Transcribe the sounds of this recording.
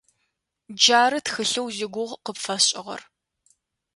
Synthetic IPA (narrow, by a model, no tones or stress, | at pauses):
d͡ʒaːɾɨtxɨɬɐwzɪɡʷʊʁqəpfɐɕʼɪʁɐ̰r